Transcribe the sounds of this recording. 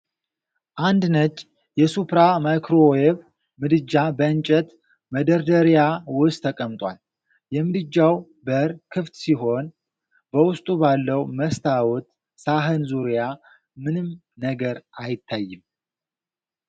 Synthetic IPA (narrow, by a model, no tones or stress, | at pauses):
ʔand̪nət͡ʃʼː | jɛsupɾamajkɾoeβ | mɨd̪ɨd͡ʒːabəɨnt͡ʃʼɛt̪ | məd̪əɾd̪əɾjawʊst̪ʰːəkʼəmt̪ʼwa̰l | jɛmɨd̪ɨd͡ʒːaw | bəɾkʰɨft̪siɦo̞n | bəwʊst̪ʼubalːəwməst̪ʰawɔt̪ | saɦɨnzuɾja | mɨnɨm | nəɡəɾʔajɪt̪ʰːajːɨm